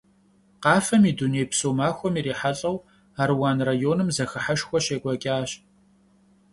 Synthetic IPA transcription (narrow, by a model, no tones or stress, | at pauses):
qɑːfɐmiːduneːjpsoːmaːxʷɔmiːɾiːħaɬʼɐw | aːrwaːnrajoːnɨmzɐxɨħaʃxʷɔɕeːkʷʼɔkʲʼaːɕ